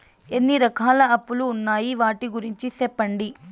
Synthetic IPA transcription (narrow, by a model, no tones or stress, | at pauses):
enːiɾɐkʰaːlɐɐpːuluːnːaːjiʋaːʈiɡuɾiɲt͡ʃisɛpːɐɳɖi